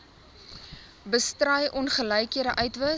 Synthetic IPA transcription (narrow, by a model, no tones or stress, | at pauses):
bəstrɐjʔɔnχələjkiəɾəʔœɥtvə